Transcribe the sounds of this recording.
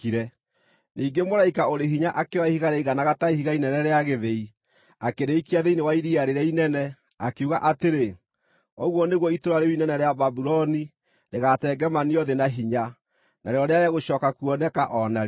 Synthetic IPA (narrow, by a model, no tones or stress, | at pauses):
iɾɛ | niːŋɡemoɾaikaoɾeɦiɲaʔakewaihiɣaɾɛiɣanaɣataihiɣainɛnɛɾeaɣeðei | akeɾeikiaðeinewaiɾiaɾeɾɛainɛnɛ | akeuɣaʔateɾe | ɔɣwɔneɣwɔitoɾaɾewinɛnɛɾeababuɾɔni | ɾeɣatɛːɡɛmaniɔðenaɦiɲa | naɾeɾɔɾeaɾjaɣoɕɔːkakuɔnɛkaʔɔnaɾe